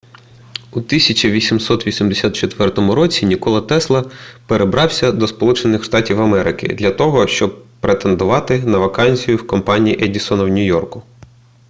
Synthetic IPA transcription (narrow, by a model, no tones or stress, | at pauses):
ut̪isʲɐt͡ʃiʋʲisʲimsɔt̪ʋʲisʲimd̪esʲat̪t͡ʃet̪ʋɛrt̪ɔmʊɾɔt͡sʲinʲikɔlˠɐt̪ɛslˠɐpeɾebɾɑwsʲɐd̪ɔspɔlˠut͡ʃenɪxʃt̪ɑtʲiwɐmɛɾɪkɪ̰d̪lʲɐt̪ɔɦɔʃt͡ʃɔb̚pɾet̪e̞nd̪ʊʋɑt̪ɪnɐʋɐkɑnʲsʲijʊwkɔmpɑnʲijiʔɛdʲisɔnɐwnʲʊjɔrkʊ